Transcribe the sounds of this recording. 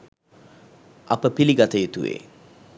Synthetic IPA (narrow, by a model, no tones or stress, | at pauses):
ʔɐpəpiliɡat̪əjut̪uʋḛː